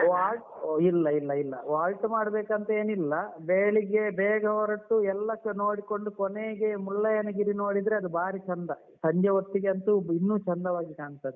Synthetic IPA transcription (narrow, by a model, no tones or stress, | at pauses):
ʋaːlʈ | ilːɐilːɐilːɐ̰ʋaːlʈmaːɽɐbeːkɐnt̪ɐeːnilːɐbeːɭiɡebɛːɡɐɦɔɾɐʈːuɛlːɐno̞ːɽiko̞ɳɖukɔneːɡemulːɐjɐnɐɡiɾinoːɽid̪ɾeɐd̪ubaːɾit͡ʃɐnd̪ɐ | sɐɲd͡ʒɐʋɐt̪ːiɡeɐnt̪uinːuːt͡ʃɐnd̪ɐʋaːɡikaːɳst̪ɐːd̪e